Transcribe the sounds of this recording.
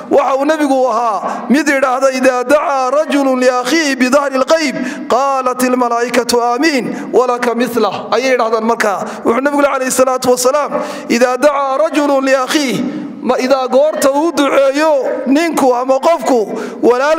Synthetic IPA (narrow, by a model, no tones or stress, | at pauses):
wʔɑħɑuːnɛβɪɣʊɐɦaːmɪd̪jɪɽaːhðɔɪðaːd̪aʕaːrˤɑd͡ʒʊlʊnlɪaxiːhɪbɪðɑhɾɪlqɑjb̚qɑːlɐt̪ɪlmɐlaːʔɪkʰɐt̪ʰʊaːmiːnwʔɐlɐkʰɐmɪθlɐhʔɐjɛjːɪɽaːhðaːnmɐrkʰaː | wʊħuːnɛβɪɣʊlɛjʕɑlɛjɪsɐlaːt̪ʊwɐsɐlaːm | ʔɪðaːd̪aʕaːrˤɑd͡ʒʊlʊnlɪɐxiːh | mɐɪðaːɡɔːrt̪ʰɐuːʊd̪ʊʕɛːjɔnɪŋkʰʊɐmɐqɔfkʰʊ | wɐlaː